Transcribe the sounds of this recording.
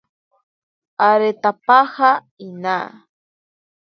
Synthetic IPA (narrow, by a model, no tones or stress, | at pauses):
aɾet̪apaha | inaː